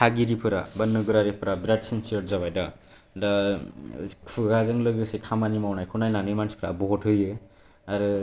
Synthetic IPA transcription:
tʰaɡiɾipʰɯɾa̰bʌnːɯɡuɾaɾepʰɯɾabɾadsensiɔʈ̚zaβajda | dʌ | kʰuɡazɯŋlɯɡɯsekʰamanimawnajkʰunajnanimanspʰɾa̰bɔɦɔʈʰɦɯjɯ | aɾɯ

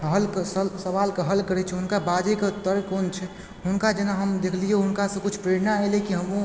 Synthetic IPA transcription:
ɦəlksəsəβalkeɦəlkəɾɛt͡ʃʰɛɦʊnkabad͡ʒekeʊt̪ːəɾkont͡ʃʰɛ | ɦʊnkad͡ʒenaɦəmd̪ekʰlieɦʊnkasə̃kut͡ʃʰpɾeɾnaelekiɦəmu

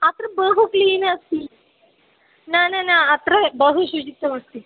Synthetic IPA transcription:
ɐt̪ɾɐbɐːɦukliːnaːst̪i | naːnenɐt̪ɾebɐːɦuʃud͡ʒit̪ːɐmɐst̪i

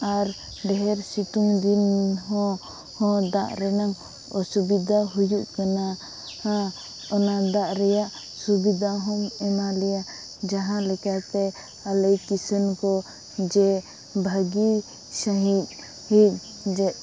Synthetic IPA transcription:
aɾ | ɖɛɦɛɾsit̪uŋd̪inɦɔ̃ | hɔ̃d̪aʔɾɛnaŋ | ɔsubid̪ʱaɦujuʔkana | a | ɔnad̪aʔɾɛjaʔ | subid̪ʱaɦɔmɛmalɛjaʔ | d͡ʒaɦãlɛkat̪ɛ | aləjkisənkɔ | d͡ʒɛ | bʱəɡi | səɦit̪̚ | hit̪̚ | d͡ʒɛʔ

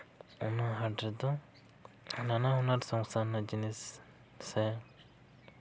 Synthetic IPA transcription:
ɔnaɦaʈɛd̪ɔ | nanaɦɔnaɾsɔŋsanad͡ʒinisː | ɛ

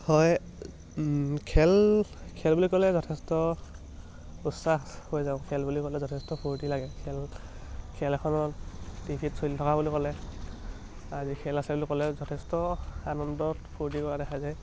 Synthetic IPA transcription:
hɔj | kʰɛlkʰɛlbulikɔlɛzɔtʰɛstɔ | usaxhojzaʊ̃kʰɛlbulikɔlɛzɔtʰɛstɔpʰuɹtilaɡɛkʰɛl | kʰɛlɛkʰɔnɔdipʰitsolitʰɔkabulikɔlɛ | azikʰɛlasɛbulikɔlɛzɔtʰɛstɔanɔndɔtpʰuɹt̬ikɔɹadɛxʰajzɛ

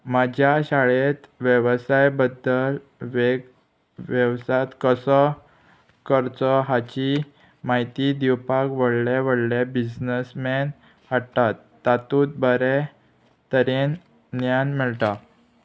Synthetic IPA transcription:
mad͡ʑʱjaɕaɭet̪ʋjəʋsajbəd̪ːəl | ʋe | ʋjəwsat̪kəsɔ | kəɾt͡sɔɦat͡ɕi | maɦit̪id̪iwpakʋəɽleʋəɽlebid͡ʑnəsmen | aɽt̪at̪ːat̪ũːt̪̚bəɾe | t̪əɾen | njanmiɭʈ̪a

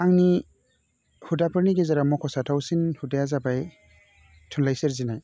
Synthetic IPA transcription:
aŋni | hudapʰɯɾniɡezaɾamɔkʰɔsatʰawsinhudajazabaj | tʰunlajseɾzinaj

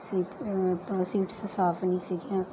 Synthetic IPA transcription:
siːʈpɾoːsiːʈsəsaːfnĩːsiɡiã

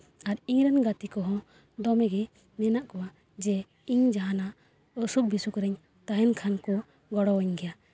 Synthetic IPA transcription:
aɾiɲɾɛnɡat̪ikɔɦɔ̃ | d̪ɔmɛɡɛ | nɛnaʔkɔwa | d͡ʒɛ | iɲd͡ʒaɦana | ɔsup̚bisukɾɛɲ | t̪aɦɛnkʰankɔ | ɡɔɽɔwɛɲɡɛja

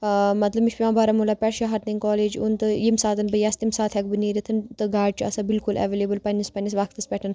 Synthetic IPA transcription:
mɐt̪lɐbmiʃpʲimãːbaːɾamulaːpʲɛɾʃaɦɐɾt̪iŋkɔːleːd͡ʒunt̪ɨjimsaːt̪ɨnbəjast̪imsaːt̪ʰɛkbɨniːɾit̪ʰɨnt̪ɨɡaːɖ̚t͡ʃʰuɐsabilkulʔɛ̰ʋeːlebəlpɐnʲːɐspɐnʲis̬ʋɐkʰt̪ɨspʲɛʈʰɐn

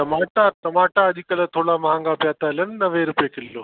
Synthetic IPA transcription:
tɐmaːʈat̪ɐmaːʈaɐʄikɐlət̪ʰoːɽamɐɦãŋɡapjaːt̪aɪlənnɐʋeɾʊpijekɪlːoː

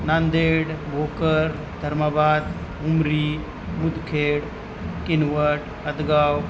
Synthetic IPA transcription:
nand̪eːɽʋoːkəɾ | d̪ʱəɾmabaːd̪ɦʊmɾi | mʊd̪ʱkʰeːɽ | kinʋəɾʈ | ɐd̪ɡaːw

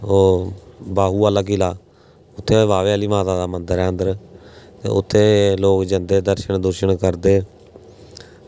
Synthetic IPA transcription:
oːbaːɦuːaːlaːkɪlaː | ʊt̪ʰːeːʋaːʋeːəliːmaːt̪aːd̪aːmənd̪əɾɛ̃ːnd̪əɾt̪ḛːʊt̪ʰːeːloːkd͡ʒənd̪eːd̪əɾʃəɳd̪ʊɾʃəɳkəɾd̪eː

